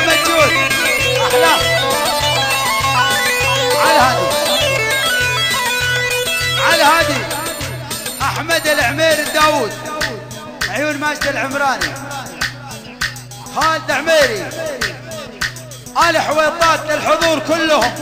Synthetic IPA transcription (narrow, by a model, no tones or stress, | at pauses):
mad̪d͡ʒuːn | aħd̪a | ʕalhaːði | ʕalhaːði | ʔaħmad̪ɪlʕmeːɾɪd̪ːaːwuːd̪̚ | ʕjuːnmaːd͡ʒd̪ɪlʕɪmɾɑːni | haːd̪aʕmeːɾi | ʔaːliħweːt̪ˤːɑːt̪ɪlħʊðˤuːɾˤkʊlːʊhʊm